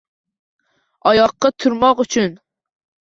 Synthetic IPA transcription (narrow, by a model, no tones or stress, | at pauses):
ɑjɑqːɑt̪ʰuɾmɑqyt͡ʃʰyn